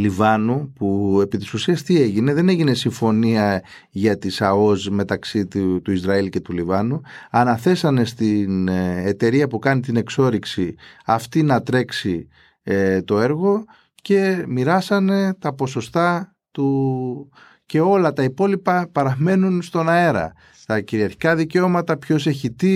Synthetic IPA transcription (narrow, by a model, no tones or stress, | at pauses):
livɐnupue̞pit̪i̥susiɐst̪ie̞ʝine̞ðe̞ne̞ʝine̞siɱfo̞niɐ | ʝɐt̪isɐo̞zme̞t̪ɐksit̪t̪uizɾɐilce̞t̪ulivɐnuɐnɐθe̞sɐne̞st̪inet̪e̞ɾiɐpukɐnit̪ine̞kso̞ɾiksiɐft̪inɐt̪ɾe̞ksi | et̪o̞e̞ɾɣo̞ | ce̞miɾɐsɐne̞t̪ɐpo̞so̞st̪ɐ | t̪u | ce̞o̞lɐt̪ɐipo̞lipɐpɐɾɐme̞nunst̪o̞nɐe̞ɾɐ̰ | t̪ɐciɾiɐɾçi̥kɐðiceo̞mɐt̪ɐpço̞se̞çit̪i